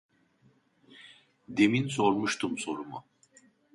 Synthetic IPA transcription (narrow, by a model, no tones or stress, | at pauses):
d̪eminso̞ɾmuʃt̪ʰumso̞ɾumu